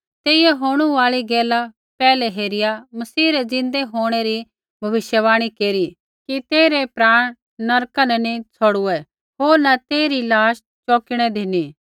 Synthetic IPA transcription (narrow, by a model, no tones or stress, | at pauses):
t̪eːiɛɦoːɽ̃ũaːɭiɡɛːla | pɛːlɛɦeːɾɪjamɐsiːɾɛd͡zɪ̃nd̪eɦoːɽ̃eɾi | bʱɐʋɪʃjəʋaːɽ̃ikeːɾi | kit̪eːɾepɾaːɽ̃ | nɐɾkãnɛ̃nit͡sʰoɽuɛ | ɦoːɾnat̪eːɾilaːʃ | t͡ʃɔːkɪɽ̃ɛd̪ʱiniː